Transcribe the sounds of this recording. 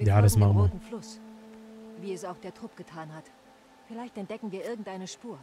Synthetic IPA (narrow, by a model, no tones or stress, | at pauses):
jaːdasmaman̩flʊs | viːɛsaʊxd̥eːɐtʁ̥ʊp̚ɡ̥ətʰaːnhat | fɪlaɪçtɛnt̚d̥ɛkŋ̩viːɐʔɪɐɡŋ̩tʔaɪnəʃpuːɐ